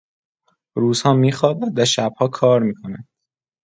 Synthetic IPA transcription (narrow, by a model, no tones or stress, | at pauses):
ɾuːz̥hɒːmiːxɒːbæd̪d̪æɾʃæb̥̚hɒːkʰɒːɾmiːkʰonæn̥